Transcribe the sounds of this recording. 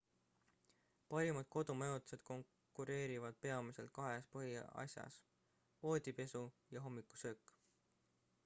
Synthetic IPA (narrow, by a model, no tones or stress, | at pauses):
pɑɾimɑd̪̥̚ko̞d̪umejot̪se̞d̪̥̚ko̞ŋ | kːuɾe̞ːɾivɑd̪̥̚pe̞ɑmise̞lt̪̚kɑɦe̞spɤɦiɑ̰sjɑ̰s | po̞ːd̪̥ʲipe̞sujɑɦo̞mːikːu̥søːkːˑ